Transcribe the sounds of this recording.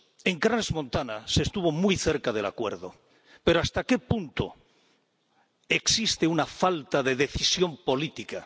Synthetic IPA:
e̞ŋkɾanezmõ̞nt̪anase̞ːst̪uβ̞o̞mujθe̞ɾkað̞e̞la̰kwe̞̰ɾðo̞ | pe̞ɾoast̪ake̞punt̪o̰ | e̞ksist̪eunafalt̪aðe̞ðe̞θisjo̞mpo̞lit̪ika

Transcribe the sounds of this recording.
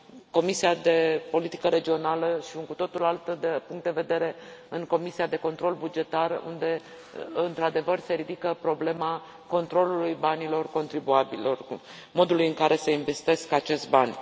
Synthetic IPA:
ko̞misiad̪e̞po̞lit̪i̥kəɾe̞d͡ʒio̞naləʃiuŋkut̪o̞t̪ulalt̪əd̪epuŋkt̪d̪eve̞d̪e̞ɾe̞ɨŋko̞misiad̪e̞ko̞nt̪ɾo̞lbud͡ʒe̞t̪arṵnd̪e̞ | ɨnt̪ɾad̪e̞vərse̞ɾid̪ikəpɾo̞ble̞ma | ko̞nt̪ɾo̞lulujbanilo̞rko̞nt̪ɾibuabilo̞r | mo̞d̪ulujɨŋkaɾʔe̞seinve̞st̪e̞skat͡ʃe̞st̪banʲ

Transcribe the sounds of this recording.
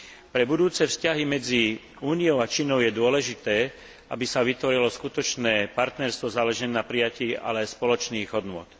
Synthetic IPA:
pɾɛbud̪uːt͡sɛfscaɦimɛd͡zi | uːnijɔʊat͡ʃiːnɔʊjɛd̪ʊɔlɛʒit̪ɛː | a̰bisaʋit̪ʋɔɾilɔskut̪ɔt͡ʃnɛːpaɾt̪nɛɾst̪ʋɔzaːlɛʒɛnːapɾijaciːa̰lɛajspɔlɔt͡ʃniːɣɦɔd̪nʊɔ̰t̪

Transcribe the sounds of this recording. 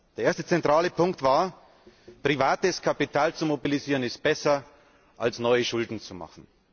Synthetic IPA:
d̥eːɐeːɐstət͡sɛntʁ̥aːləpʰʊŋktv̥aːɐ | pʁ̥ivaːtəskʰapitʰaːlt͡sumobiliziːʁənɪst̚b̥ɛsɐ | ʔalsnɔʏəʃʊldn̩t͡suma̰χn̩

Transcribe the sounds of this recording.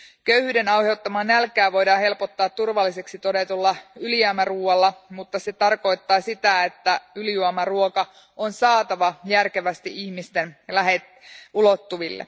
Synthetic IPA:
kø̞yhyːde̞nɑwhe̞wt̪ːɑmɑnːælkːˑæːʋo̞jdɑːnhe̞lpot̪ːɑːt̪ːurʋɑlːise̞ksit̪o̞de̞t̪ulːɑyljæmæruːɑlːɑmut̪ːɑse̞t̪ɑrko̞jt̪ːɑːsit̪æe̞t̪ːæyljuɑmɑruokɑ | onsɑːt̪ɑʋɑjærke̞ʋæst̪iʔiçmist̪enlæɦet̪ | ulot̪ːuʋilːḛ

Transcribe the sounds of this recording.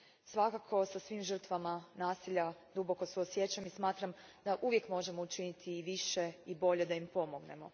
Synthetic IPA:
sʋakakʰo̞sasʋiːmʒr̩t̪ʋamanaːsiʎad̪ubo̞ko̞suosjet͡ʃamismaːt̪ɾamd̪̥aʔuʋje̞kmo̞ʒe̞mout͡ʃinit̪ʰiːʋiʃe̞ibo̞ʎed̪aimpo̞mo̞ɡne̞̰mo̞̰

